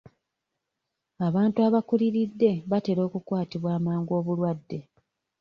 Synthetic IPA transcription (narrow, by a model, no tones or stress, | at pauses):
aβaːntuaβakuliɾidːe̞βate̞ɾo̞ːkukwaːtiβwaːmaːŋɡo̞ːβulwadːe̞